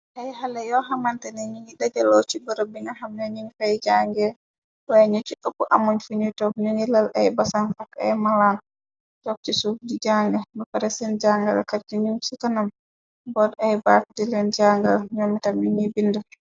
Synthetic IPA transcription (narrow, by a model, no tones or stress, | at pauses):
ʔajɦalɛjɔɦamantɛnɛɲuŋɡiɗad͡ʒalot͡ʃibɔɾɔbiŋɡahamnaɲiŋfajd͡ʒaŋɡɛ | wajɲut͡ʃːukapːuʔamɔɲfuɲitɔkɲuŋilala̰jbasanfaka̰jmalan | t͡ʃɔk̚t͡ʃisukdid͡ʒaŋɡɛmɔfaɾɛsɛnd͡ʒaŋɡa̰lkaɾd͡ʒiɲuŋsukanam | bɔdajbak̚dilɛnd͡ʒaŋɡalɲomitaminibindu